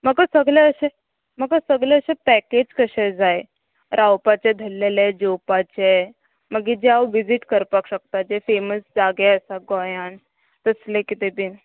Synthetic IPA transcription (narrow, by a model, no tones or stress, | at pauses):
məɡasəɡleəɕe | məɡasəɡleəɕẽpɛked͡ʑkəɕẽd͡zae | ɾʔawpat͡ɕed̪ʱəlːeled͡ʑopat͡ɕe | məɡid͡ʑeawʋid͡ziʈkəɾpakɕəkt̪ad͡ʑefeməsd͡zaɡeəsaɡojãn | t̪əslẽkit̪eb̪in